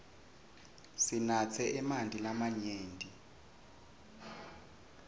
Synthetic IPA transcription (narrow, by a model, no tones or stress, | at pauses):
sinat͡sʰɛʔɛmandʱʼilamaɲeːndʼʱi